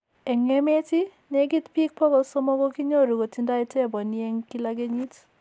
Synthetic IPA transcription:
ɛŋemeti | neɡit̪pʰik̚pʰɔɡɔlsɔmɔɡɔkiɲɔoɾuɡɔtʰindajtʰɛbɔnieŋkilaɡeɲit

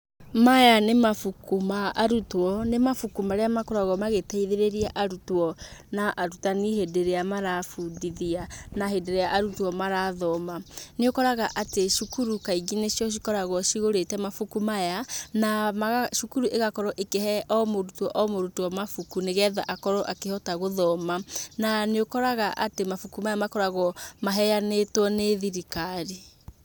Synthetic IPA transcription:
majanemafukumaːɾutwɔnemafukumaɾeamakoɾaɣɔmaɣepɛiðeɾeɾiaʔaɾutwɔnaʔaɾutaniɦedeɾeamaɾafudiðianaɦedeɾeaʔaɾutwɔmaɾaðɔmaneokɔɾaɣaʔateʃukuɾukaiɣineʃjɔʃ̬ikɔɾaɣɔʃiɣoɾetɛmafukumajanaʃukuɾuʔeɣakɔɾɔʔekehɛʔɔmoɾutɔʔɔmoɾutuɔmafukuneɣɛːða̰ʔakɔɾɔʔakehɔtaɣoðɔmananeokɔɾaɣaʔatemafukumajamakɔɾaɣɔmaɦɛjanetwɔneðiɾikaɾi

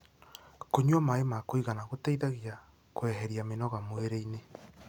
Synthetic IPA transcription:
koɲuɔmaemakoiɣanaɣotɛiðaɣia | koɛɦɛɾiamenɔɣamoeɾeine

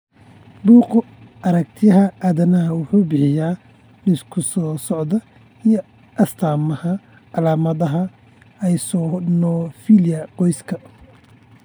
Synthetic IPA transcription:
buːq | ɐɾɐk̚t̪ʰɪjɐɦɐʔaðɐnɐɦɐwʊħuːbɪħɪjaː | nɪskʰʊsɔːsɔʕðɐ | ijɔ | ʔɐst̪ʰaːmɐhɐ | ɑlaːmɐðɐɦɐ | ɛjsɔːnɔːfiljɐqɔjskʰɐ

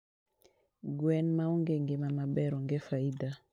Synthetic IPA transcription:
ɡwɛnmauŋɡeŋɡɪmamabɛɾɔŋɡɛfaida

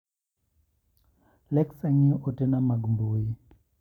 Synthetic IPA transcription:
lɛksaɲiʔotenamaɡmbui

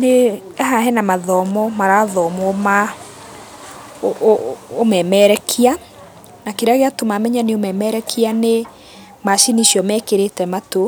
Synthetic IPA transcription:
ne | ɦaɦɛnamaðɔmɔmaɾaðɔmɔma | mɛmɛɾɛkʰia | nakeɾeaɣeatomamɛɲaneomɛmɛɾɛkʰiane | maʃiniʃjɔmɛkeɾetɛmato

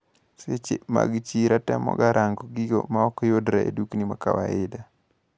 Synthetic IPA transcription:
set͡ʃema̰ɡt͡ʃiɾatɛmɔ̰ɡaɾaŋɡɔɡiɡomaɔkɔjodɾaḛduknimaka̰waɪda

